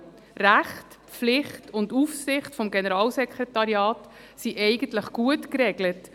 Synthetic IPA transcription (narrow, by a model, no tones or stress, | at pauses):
ræχt | flɪχtʊndufsɪχtfɔmɡenəɾɑːlsɛkʰɾɛtɑɾjɑːt | siʔɛɪɡən̩tləχɡ̥uətkɾɛɡlət